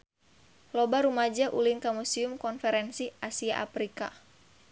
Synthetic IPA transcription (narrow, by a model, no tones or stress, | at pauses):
lɔbaɾumad͡ʒaʔulinkamusiumkɔnfɛɾɛnsiʔasiaʔa̰pɾika̰